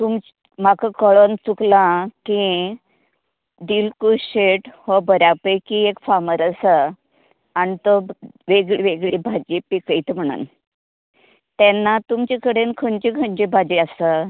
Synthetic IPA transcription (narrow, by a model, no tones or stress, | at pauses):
t̪um | makəkəɭont͡suklãkĩ | d̪ilkuɕeʈhɔbəɾjapəjkiekfaməɾəsə | anit̪oʋeɡɭiʋeɡɭibʱad͡ʑipikəit̪m̤əɽ̃ṵn | t̪ɛnːat̪umt͡ɕikəɽenkʰəɲt͡ɕikʰəɲt͡ɕibʱad͡ʑiəsə